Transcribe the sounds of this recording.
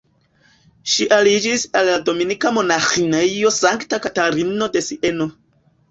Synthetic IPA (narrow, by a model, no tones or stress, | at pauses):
ʃiʔalid͡ʒisalːado̞minikamo̞naxineijo̞saŋktakataɾino̞de̞siʔe̞no̞